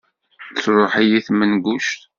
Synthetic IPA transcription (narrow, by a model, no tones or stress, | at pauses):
t͡sːɾˤoħijiθmənɡuʃt̪